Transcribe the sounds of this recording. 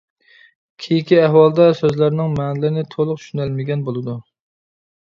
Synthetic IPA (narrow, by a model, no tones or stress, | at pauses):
kʲʰijikʲiæɦwɑlˠd̪ɛsøzlæɾnɪŋmɛːnlɪnɪt̪ʰolˠʊqʃynælmɪɡʲɛnbolˠɨd̪u